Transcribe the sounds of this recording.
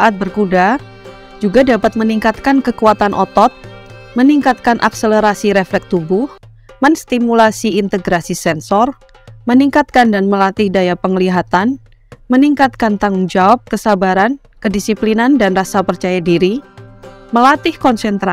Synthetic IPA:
ʔat̪̚bərkuda | d͡ʒuɡadapat̪̚məniŋkat̪̚kankəkuat̪anʔɔt̪ɔt̪̚ | məniŋkat̪̚kanʔa̰ksələɾasiɾɛflɛk̚t̪ubʊh | mənst̪imulasiint̪əɡɾasisɛnsɔr | məniŋkat̪̚kandanməlat̪ɪhdajapəŋəliɦat̪an | məniŋkat̪̚kant̪aŋʊŋd͡ʒawap̚kəsabaɾan | kədisiplinandanrasapərt͡ʃajadiɾi | məlat̪ɪhkɔnsɛnt̪ɾa

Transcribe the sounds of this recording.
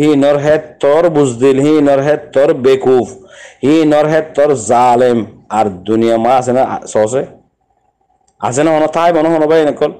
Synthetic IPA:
hinɔɾɦɛt̪ːɔɾbuzd̪ilhinɔɾɦɛt̪ːɔɾbekufhinɔɾɦɛt̪ːɔɾzalemaɾd̪unijamaːsɛna̰sɔɔs̬ɛ | a̰s̬ɛnaɦɔnɔt̪ʰaajbɔnɔɦɔnɔbajɛnɛkːɔl

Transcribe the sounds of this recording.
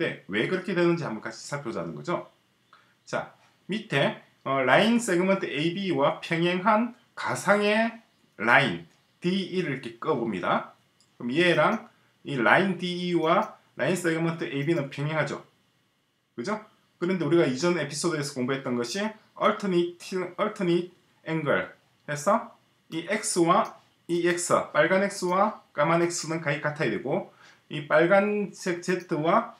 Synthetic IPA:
de̞we̞kɯɾʌkʰe̞dwe̞nɯnd͡ʑia̰mbʌnk͈at͡ɕʰi̥sʰaɭpʰjod͡ʑa̰nɯnɡʌd͡ʑo | t͡ɕa̰ | mitʰe̞ | ʌɭains͈e̞ɡɯmʌntʰɯeibiwapʰjʌŋɦeŋɦan | kasʰaŋe̞ | lain | tiːɾɯɭk͈ʰe̞k͈ɯʌbomɲida̰ | ɯɾɯmieɾaŋ | iɭaindiːwa | ɭʔa̰ins͈e̞ɡɯmʌntʰɯʔeibinɯnpʰjʌŋɦe̞ŋɦad͡ʑo̰ | kɯd͡ʑo | kɯɾʌnde̞uɾiɡaid͡ʑʌne̞pʰi̥s͈ʰodue̞sʰʌkoŋbuɦet̚t͈ʌnɡʌɕʰi | ʌɭtʰɯnitʰʌɭtʰɯni | eŋɡɯ̰ɭ | ke̞sʰʌ | iʔek̚s͈ɯwa | iek̚s͈ʰɯ̰p͈aɭɡane̞k̚s͈ɯwak͈amane̞k̚s͈ɯnɯnkaik͈atʰajedwe̞ɡo | ip͈aɭɡansʰek̚t͡ɕetʰɯwa

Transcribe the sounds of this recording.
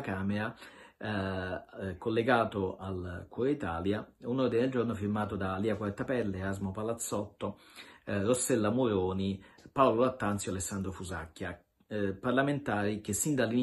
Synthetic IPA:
kaːmeɾa | kolːeɡaːt̪oalkuɾoit̪aːljaunord̪ined̪eld͡ʒornofirmaːt̪od̪aliːakwaɾt̪apɛlːeɾazmopalat̪sːɔt̪ːo | rosːɛlːamuɾoːnipawlolat̪ːant̪sjoalesːand̪ɾofuza̰kːja | parlament̪aːɾik̟esːind̪alːin

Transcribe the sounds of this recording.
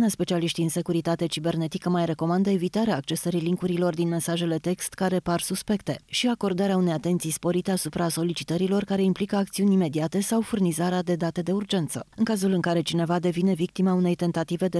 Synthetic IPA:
naspe̞t͡ʃialiʃt̪iɨnse̞kuɾit̪at̪e̞t͡ʃibe̞rne̞t̪ikəmajre̞ko̞mand̪əe̞vit̪aɾeaːk̚t͡ʃe̞səɾiliŋkuɾilo̞rd̪inme̞nsaʒe̞le̞t̪e̞kst̪kaɾe̞parsuspe̞kt̪e̞ʃiako̞rd̪aɾeaune̞jat̪e̞nt̪sijspo̞ɾit̪e̞asupɾaso̞lit͡ʃi̥t̪əɾilo̞rkaɾe̞implikəak̚t̪siunʲime̞d̪iat̪e̞sawfurnizaɾead̪e̞d̪at̪e̞d̪e̞urd͡ʒe̞nt̪sə̰ɨŋkazulɨŋkaɾe̞t͡ʃine̞vad̪e̞vine̞vik̚t̪imaune̞jt̪e̞nt̪at̪ive̞d̪e

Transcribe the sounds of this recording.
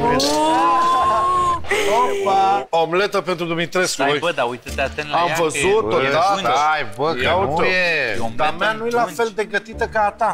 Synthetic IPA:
oɾbaomlet̪əpe̞nt̪ɾud̪umit̪ɾesojbəd̪aujt̪ət̪eat̪eamvəzut̪oajbəkautoeod̪amanujelafe̞ld̪eɡət̪it̪əkaːt̪a

